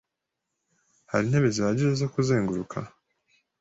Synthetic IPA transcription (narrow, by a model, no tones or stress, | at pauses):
ha̰ɾinhe̞βezihaɟiɾezo̞kuze̞ːŋɡuɾukʰa̰